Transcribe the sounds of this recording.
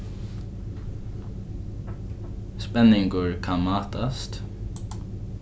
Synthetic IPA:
spɛnɪŋɡʊɹkʰɑmɑːt̪ʰast̪

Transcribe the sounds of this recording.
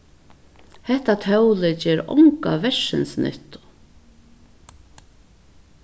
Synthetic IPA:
hɛht̪at̪ʰœwlɪt͡ɕɛːɾɔ̰ŋka̰vɛʂɪ̰nsnʔɪ̰ht̪ʊ̥

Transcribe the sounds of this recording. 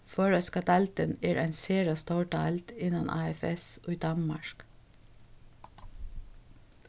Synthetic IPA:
føːɹəskɑt̪ɑlt̪əneːɹʔæɪnseːɹɑst̪ɑːʈɑɑlt̪ɪnɑnʔɑ̰ːɛfɛso̰ːiːd̪ɑnmɑɹk

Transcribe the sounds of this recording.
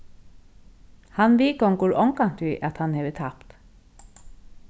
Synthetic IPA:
hɑnʋiːkɔŋkʊɹʔɔŋkɑnt̪ʰyʔɑt̪hɑnheːʋət̪ʰɑpt̪

